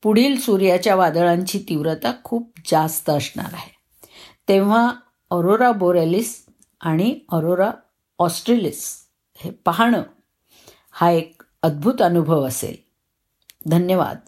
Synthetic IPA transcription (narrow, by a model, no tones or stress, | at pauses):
puɽ̤iːlsuɾjat͡ɕjaʋad̪əɭãɲt͡ɕiːt̪iʋɾət̪akʰuːp̚d͡zast̪əəsɳa̰ɾa̰ɦe | t̪ẽʋ̤a | əɾoɾaboɾelis | aɽ̃iəɾoɾa | ɔsʈɾelis | hepəɦaɳ̃ə | haek̚ | əd̪̚bʱut̪ənubʱəʋəsḛl | d̪ʱənjəʋa̰d̪̚